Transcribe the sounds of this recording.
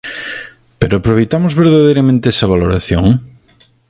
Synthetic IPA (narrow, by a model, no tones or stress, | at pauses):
peɾoapɾoβejt̪amozβeɾðað̞ejɾamẽnt̪eesɐβ̞aloɾaθjoŋ